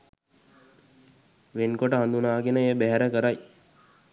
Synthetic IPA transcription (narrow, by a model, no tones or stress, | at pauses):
ʋenkoʈəɦand̪unaːɡenəejəbæɦæɾəkəɾaj